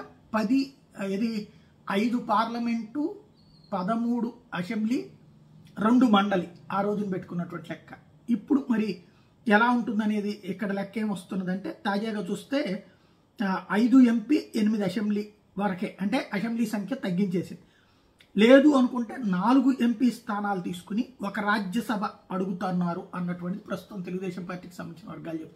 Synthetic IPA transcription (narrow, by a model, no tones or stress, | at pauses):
pɐd̪i | ed̪i | ɐjd̪upaːɾlɐme̞ɳʈu | pɐd̪ɐmuːɽuɐse̞mbliː | ɾe̞ɳɖumɐɳɖɐliaːɾo̞ːd͡ʒunipeʈːukunːɐʈuʋɐɳʈilɛkːɐ | ipːuɽumɐɾi | ɛlaːuɳʈund̪ɐne̞ːd̪iɛkːɐɽɐlɛkːɐeːmʋɐst̪unːɐd̪ɐɳʈe̞ːt̪aːd͡ʒaːɡaːt͡ʃuːst̪e̞ː | ɐjd̪ue̞mpiːenimid̪iɐsembliː | ʋɐɾɐkeːʔɐɳʈe̞ːʔɐsembliːsɐŋkʰjɐt̪ɐɡːint͡ʃe̞ːsind̪i | le̞ːd̪uɐnukuɳʈeːnaːluɡuʔe̞mpiːst̪ʰaːnaːlɐt̪̬iːsu̥kuniɔkɐɾaːd͡ʒjɐsɐbʱɐɐɽuɡut̪aːnːaːɾuɐnːɐʈuʋɐɳʈid̪ipɾɐst̪u̥t̪ɐmt̪̬e̞luɡud̪ɛːʃɐmpaːɾʈːiːki̥sɐmːɐnt͡ʃinɐʋɐɾɡaːlt͡ʃep̚ːt̪ː